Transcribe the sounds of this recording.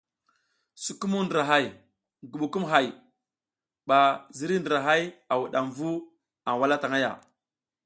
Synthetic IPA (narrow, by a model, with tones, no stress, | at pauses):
su˨ku˦mu˦ndə˨ɾa˨ɦa˦j | ɡu˨ɓu˨ku˦mɦa˦˨j | ɓa˨zi˦ɾi˦ndə˨ɾa˨ɦa˦ja˨wu˨ɗa˨mvu˦ | a˨ŋwa˦la˦ta˨ŋa˦ja̰˨